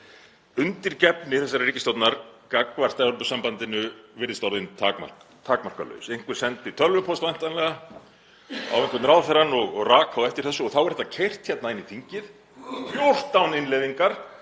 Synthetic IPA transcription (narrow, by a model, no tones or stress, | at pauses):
ʏnt̪ɪɾcɛpnɪθɛsːaɾariːcɪst̪owt̪naɾkakvar̥t̪aɔlpʏsampant̪ɪnʏvɪɾðɪst̪awɾðɪnt̪ʰaːkma̰rkt̪ʰaːkmar̥kalœ̰ːsejŋ̥kvɪɾ̥sɛnt̪ɪt̪ʰœlvʏpʰost̪van̥t̪anlɛɣa | a̰wvɛŋkvʏt̪ɾaːwθɛɾanːɔɣɔɣraːkʰawɛft̪ɪɾ̥θɛsːʏɔɣθawɛɾhɛt̪ːacʰejr̥t̪çɛt̪naɪnːiθiɲcɪð | θjowr̥t̪ːawnɪnleviŋkaɾ̥